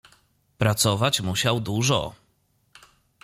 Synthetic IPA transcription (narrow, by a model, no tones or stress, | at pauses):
pɾat̪sɔvat͡ɕmuɕawd̪uʐɔ̰